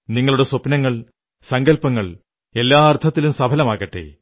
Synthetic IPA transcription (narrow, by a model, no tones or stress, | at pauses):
niŋːɐɭuɽe̞sopnɐŋːɐɭ | sɐŋɡɐlpɐŋːɐɭ | e̞lːaːɐrt̪ʰːɐt̪ːilumsɐbʰʱɐlɐmaːɣɐʈːḛ